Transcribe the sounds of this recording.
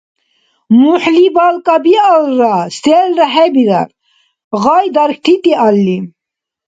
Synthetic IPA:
muħlibalkabialɾast̪elɾaɦebid̪a̰ɾ | ɣɑjd̪ɐɾkʰt̪ʰit̪ialːi

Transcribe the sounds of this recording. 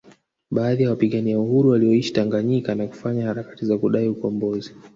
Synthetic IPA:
ɓaːðijawapiɠaniauhuɾuwaliɔiʃi̥taŋɡaɲikanaku̥faɲahaɾakḁtizakuɗaiukɔmbɔzi

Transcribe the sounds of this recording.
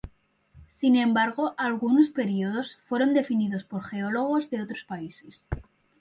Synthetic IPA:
sinẽ̞mbaɾɣ̞o̞ʔalɣuno̞spe̞ɾio̞ðo̞sfwe̞ɾo̞nd̪e̞finiðo̞spo̞ɾxe̞o̞lo̞ɣ̞o̞zðe̞o̞t̪ɾo̞spaise̞s

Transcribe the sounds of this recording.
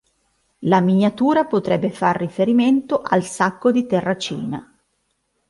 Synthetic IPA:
laminjat̪uːɾapot̪ɾɛbːefarːifeɾiment̪oʔalsakːod̪it̪ɛrːat͡ʃḭːna̰

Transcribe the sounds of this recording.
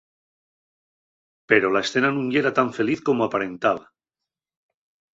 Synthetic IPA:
pe̞ɾo̞lae̞sθe̞nanũŋe̞ɾat̪aɱfe̞liθko̞moapaɾe̞nt̪aβa

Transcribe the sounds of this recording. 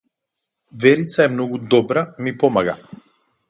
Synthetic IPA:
vɛɾit̪saɛmnɔɡud̪ɔbɾamipɔmaɡa̰

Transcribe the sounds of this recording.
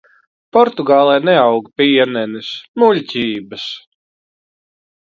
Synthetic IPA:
pɔɾt̪uɡɑːlˠɛjnɛawɡpiɛnɛnismulʲcʲiːbɐs

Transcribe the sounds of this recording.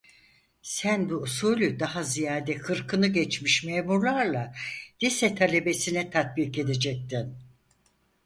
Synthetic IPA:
sænbuːsuːlʲyd̪ahazijaːd̪ɛkʰɯɾkʰɯnɯɟɛt͡ʃmiʃmemuɾlˠaɾlˠad̪̥isɛt̪ʰalʲe̞be̞sinɛt̪ʰat̪̚bike̞d̪ed͡ʒɛk̚t̪in

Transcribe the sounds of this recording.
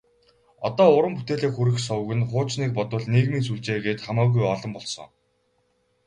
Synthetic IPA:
ɔ̰t̪ɔːʊɾə̆mput̪eːɮeːkxuɾɘ̆xsɔw̆ɣɘ̆nχʊːt͡ɕniːk̚pɔt̪ʊ̆ɮneːɣmiːnsuɮt͡ɕeːɣeːt̪χamaːɣujɔɮɞ̆mpɔɮsɞ̰̆ŋ

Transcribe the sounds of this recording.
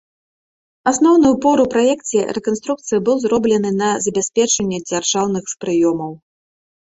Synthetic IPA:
asnɔwn̪ɨjupɔɾupɾajɛkt͡sʲɛrɛkɔnst̪ɾuk̚t̪sɨjibɨwzrɔblʲɛnɨnɐzɐbʲasʲpʲɛt͡ʂɐnʲːɛd͡zʲarʐawn̪ɨxspɾɨjɔmɐw

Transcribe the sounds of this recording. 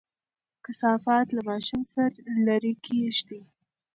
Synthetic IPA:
kɪsɑfɑt̪lamɑʃumsaɾlaɾikʰiʃt̪i

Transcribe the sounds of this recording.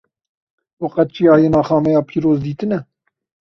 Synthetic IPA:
wɑqɑt̪̚t͡ʃʰiːɑːjenɑːxɑːmɛjɑːpʰiːɾoːzd̪iːt̪ɨnɛ

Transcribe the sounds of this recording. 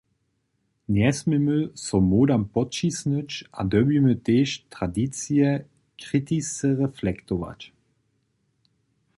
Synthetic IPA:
njɛsmemøsɔmoːd̪ampɔt͡ʃisnøt͡ʃʔa̰d̪œbimət̪eːʃtʁadit͡siɛ | kʁit̪isəʁɛflɛkt̪ova̰t͡ʃ

